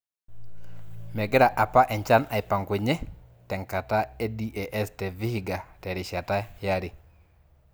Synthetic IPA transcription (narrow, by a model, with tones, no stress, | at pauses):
mɛ˨ɡɛ˦ɾa˨ʔa˨pa˦ʔɛ˨ɲt͡ʃa˦na˨ɪ˨pa˨ŋɡe˨ɲɛ˦tɛ˨ŋka˨ta˦ɛ˦di˦ʔɛ˨ʔɛ˦stɛ˨vi˦hi˦ɡa˨tɛ˨ɾɪ˨ʃa˨ta˦ja˦ɾɪ˨